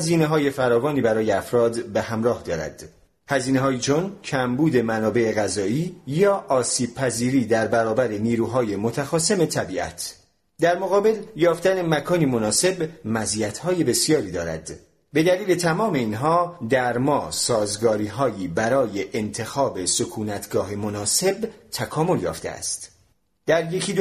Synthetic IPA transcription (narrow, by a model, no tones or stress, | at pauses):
ziːneɦɒːje̞fæɾɒːvɒːniːbæɾɒːjeæfɾɒːd̪behæmɾɒːhd̪ɒːɾæ̰d̪̥ | hæziːneɦɒːjit͡ʃʰoncʰæmbuːd̪e̞mænɒːbe̞ʔeɣæzɒːiːjɒːʔɒːsiːb̥̚pʰæziːɾiːd̪æɾbæɾɒːbæɾe̞niːɾuːɦɒːje̞mot̪ʰæxɒːse̞me̞t̪ʰæbiːʔæ̰t̪ʰ | d̪æɾmoɣɒːbe̞ljɒːft̪æne̞mækʰɒːnimonɒːse̞bmæziːæt̪ʰhɒːje̞be̞sijɒːɾiːd̪ɒːɾæ̰d̪ | be̞d̪æliːle̞t̪ʰæmɒːme̞inɦɒːd̪æɾmɒːsɒːzɡɒːɾiːɦɒːjiːbæɾɒːje̞ʔːnt̪ʰe̞xɒːbe̞so̞kʰuːnæt̪ʰɡɒːɦemo̞nɒːse̞bt̪ʰækʰɒːmo̞ljɒ̰ːft̪e̞̰æ̰st̪ | d̪̥æɾje̞cʰid̪